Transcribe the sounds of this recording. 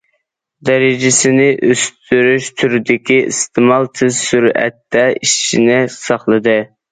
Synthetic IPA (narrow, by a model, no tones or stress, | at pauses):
d̪ɛɾɪd͡ʒɪsɪnɪʔøst̪ʰyɾyʃt̪ʰyɾd̪ɪkʲiḭst̪ʰɪmɑlˠt̪ʰɪzsuɾɛ̰t̪ːɛiʃʃinɪsɑχlˠɨd̪ɨ